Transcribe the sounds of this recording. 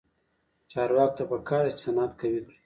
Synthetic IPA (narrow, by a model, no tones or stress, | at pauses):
t͡ʃɑːɾwɑːko̥t̪apakɑːɾat͡ʃɪ̥sanat̪kawid̪